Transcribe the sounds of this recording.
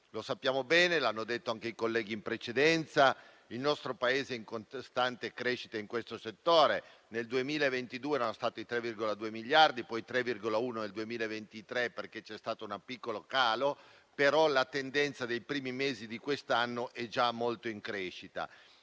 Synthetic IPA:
losapːjaːmobɛːnelanːod̪et̪ːoaŋk̟eikolːɛːɡ̟iːmpɾet͡ʃed̪ɛnt̪sa | ilnɔst̪ɾopaeːzeiŋkonst̪ant̪ekɾeʃit̪aiŋkwest̪oset̪ːoːɾeneld̪uemiːlaevent̪id̪uːeɛɾanost̪aːt̪oit̪ɾɛvːirɡolad̪uːemiʎːard̪ipɔjt̪ɾɛvːirɡolauːnoneld̪uemiːlaevent̪it̪ɾeperket͡ʃɛst̪aːt̪ounapikːolokaːlo | peɾɔlat̪end̪ɛnt̪sad̪ejpɾiːmimeːzid̪ikwest̪anːoʔɛd͡ʒamːolt̪oiŋkɾeːʃit̪a̰

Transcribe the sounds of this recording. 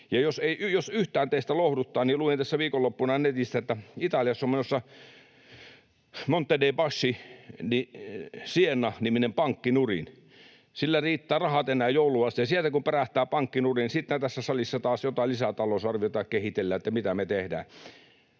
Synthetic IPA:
jɑjoseijosyht̪æːnt̪eˑist̪ælohdut̪ːɑːnniluent̪æsːæʋiːkolːopːunɑnet̪ist̪æet̪ːæit̪ɑljɑsːomenosːɑ | mont̪ːedeipɑsːinisienːɑniminempɑŋkːinurḭn | silːæriːt̪ːæːrɑhɑt̪enˑæːjjouluɑst̪ijɑsielt̪ækumperæht̪ːˑæːpɑŋkːinurinsit̪næt̪æsːæsɑlisːɑt̪ɑːsjot̪ɑˑlisæt̪ɑlosɑrʋiot̪ɑːkkehit̪elːæet̪ːæmit̪æmet̪ehdæ̰ː

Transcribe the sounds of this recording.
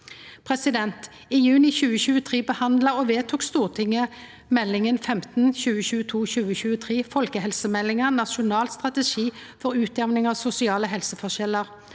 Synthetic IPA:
pʰʁɛsɪd̪ɛnt̪ | ɪjʉːnɪçʉːəɕʉːət̪ʰʁeːbəhɑnd̪ləʁɔʋeːt̪ʰuːkst̪uːʁt̪ʰɪŋə | mɛlːɪŋənfɛmt̪n̩çʉːəɕʉːət̪ʰuːɕʉːəɕʉːət̪ʰʁeːfɔlkəhɛlsəmɛlːɪŋənɑʃʊnɑːlst̪ʁɑt̪əʃiːfɔʁʉːt̪ɛʋnɪŋɑʋsʊsɪɑːləɦɛlsəfɔʃɛlːəʁ

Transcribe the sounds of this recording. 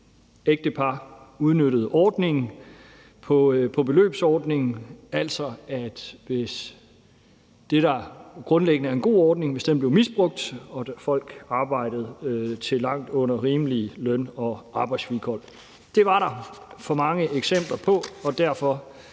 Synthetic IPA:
eɡ̥̚d̥əpʰɑ̈uð̞ˠnøɾəð̞̩ˠɒːd̥ne̝ŋ̩ | pʰɒ̽pʰɒ̽b̥e̝lø̰ːb̥sɒːd̥ne̝ŋ̩æl̰sɒ̽æd̥ʋe̝s | d̥e̝ɾ̥ɑ̈ɡ̥ʁɔ̽nleɡ̥ənəæɐenɡ̥o̝̰ːɒːd̥ne̝ŋʋe̝sd̥enb̥le̝ʊmisb̥ʁɔ̽ɡ̥̚d̥ɒ̽fɒ̽l̰ɡ̥ɑ̈ːb̥ɑ̈ɪ̰d̥əð̩ˠt͡sʰe̝lɑ̈ŋ̰d̥ɔ̽n̰ɐʁiːməlilœnɒ̽ʔɑ̈ːb̥ɑ̈ɪd̥sʋikʰɒl̰ | d̥e̝ʋɑ̈ɾɑ̈fɒ̽mɑ̈ŋəʔeɡ̥sem̰b̥lɐpʰɒ̽ɒ̽d̥æɐ̰fɒ̽

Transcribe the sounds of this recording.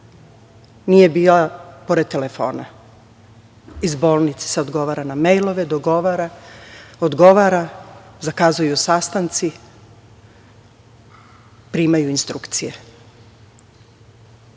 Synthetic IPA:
nije̞biːlapo̞ɾed̪̚t̪ːelefo̞̰ːna̰ | izbo̞ːlˠnit̪se̥se̞od̪ɡo̞ʋaːɾanamejlˠo̞ʋed̪oɡo̞ʋaɾa | od̪ɡo̞ʋaɾazakaːzujusaːst̪ant̪si | pɾiːmajuinst̪ɾukt̪sije

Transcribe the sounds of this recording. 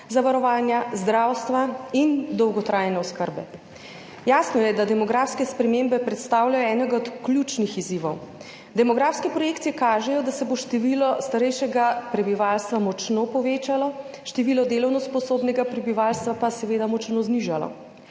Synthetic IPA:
zaʋaɾɔʋaːnjazd̪ɾaːwst̪ʋaind̪ɔwɡɔt̪ɾʔaːjnɛɔskəɾbɛ̰ | jaːsnɔjɛd̪ad̪ɛmɔɡɾaːfskɛspɾɛmembɛpɾɛt̪st̪aːwljajɔɛːnɛɡaɔt̪klʲut͡ʃnixiziʋɔw | d̪ɛmɔɡɾaːfskɛpɾɔjeːkt̪ijɛkaːʒɛjɔd̪asɛboʃt̪ɛʋilɔst̪aɾɛjʃɛɡapɾɛbiʋaːlst̪ʋamɔt͡ʃnopɔʋeːt͡ʃalɔ | ʃt̪ɛʋilɔd̪eːlɔwnɔspɔsoːbnɛɡapɾɛbiʋaːlst̪ʋapasɛʋed̪amɔt͡ʃnozniʒalɔ̰

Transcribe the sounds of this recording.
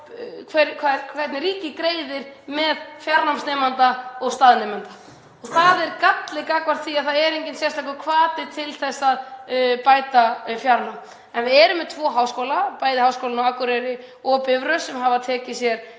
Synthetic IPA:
kʰvɛkʰakʰvɛt̪nɪɾiːcɪkɾeːjðɪɾ̥mɛðfjaɾnamsnɛmant̪aɔɣst̪aːðnɛmɛnt̪ḁ | ɔɣθaðɛɾkat̪lɪkakvaɾ̥t̪θiaðθaðɛɾejɲcɪnsjɛr̥st̪lajkʏkʰvaːt̪ɪt̪ʰɪlθɛsːaðpaːjt̪afjaɾnam | ɛnvɪðɛɾʏmːɛðt̪ʰvɔːɦaːwskowlapaːjðɪhawskowlanaakʏɾɛɾɪ | ɔːpɪvɾʏsɛmɦavat̪ʰɛːcɪsjɛɾ̥

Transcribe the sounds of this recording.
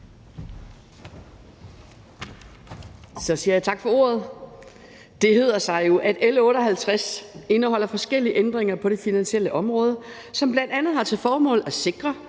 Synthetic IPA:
sɒ̽siːɐjɑ̈t͡sʰɑ̈ɡ̥fɒ̽o̝̰ɐð̞ˠ | d̥e̝ɦe̝ð̰ˠɐsɑ̈ɪjo̝ʔæd̥elɔ̽ːɾɒɦælt͡sʰʁase̝nəɦɒ̽l̰ɐfɒ̽sɡ̥el̰iəʔend̥ʁeŋɐpʰɒ̽ɾ̥e̝finænɕiel̰əʔɒ̽mʁɔ̽ːð̞ˠə | sɒ̽mb̥lænd̥ænð̞̩ˠhɑ̈t͡sʰe̝ðˠfɒːmɔ̰̽ːlæse̝ɡ̥ʁɐ

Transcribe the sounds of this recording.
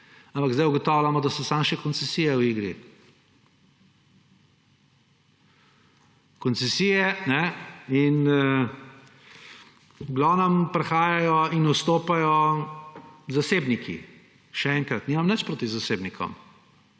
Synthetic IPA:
ãmpaɡzd̪ajuɡɔt̪ɔːwlamɔd̪asɔsamʃɛkɔnt̪sɛsiːjɛwiːɡɾḭ | kɔnt̪t͡ssɛsijɛnɛin | ɡlɔnampɾɛxaːjajɔinust̪oːpajɔ | zaseːbnikʰḭ | ʃɛɛŋkɾat̪niːmamnət͡ʃpɾoːt̪izaseːbnikʰɔ̰m

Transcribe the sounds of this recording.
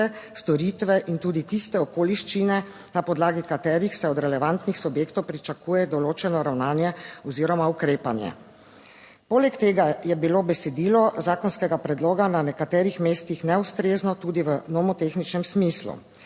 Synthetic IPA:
ɛst̪ɔɾiːt̪ʋɛʔint̪uːd̪it̪ist̪ɛɔkoːliʃt͡ʃinɛ | napɔd̪laːɡikat̪ɛːɾixsɛɔd̪ɾɛlɛʋant̪nixsubjeːkt̪ɔwpɾit͡ʃakuːjɛd̪ɔloːt͡ʃɛnɔɾawnaːnjɛɔziːɾɔmaukɾeːpanjɛ̰ | poːlɛkt̪eːɡajɛbiloːbɛsɛd̪iːlɔzaːkɔnskɛɡapɾɛd̪loːɡananɛkat̪ɛːɾixmeːst̪ixnɛust̪ɾeːznɔt̪uːd̪iʋənɔmɔt̪exnit͡ʃnɛmsmiːslṵ

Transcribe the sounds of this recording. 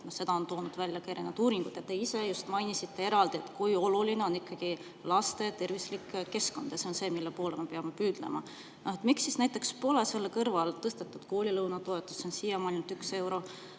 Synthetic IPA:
se̞d̪̥ɑo̞nt̪o̞ːnud̪̥vælʲjɑkejɾenud̪uːɾiŋɡ̥ud̪̥jɑt̪ːe̞ise̞just̪mɑjnisit̪ːe̞e̞ɾɑld̪ie̞t̪ːˑkujo̞luline̞o̞nikːɑɡ̥i | lɑst̪e̞t̪e̞rvislikːkːe̞sko̞nd̪̥jɑseo̞nse̞ːmilːe̞po̞ːle̞mepe̞ɑmepyːd̪̥le̞̰mɑ̰ | et̪miksːisnæjt̪ːˑe̞kspo̞le̞se̞lːkɤrvɑlt̪ɤst̪et̪ːˑud̪̥ko̞ːlʲilɤwnɑt̪o̞e̞t̪ːˑusːo̞nsiːjɑmɑjnult̪ykse̞wɾo̞

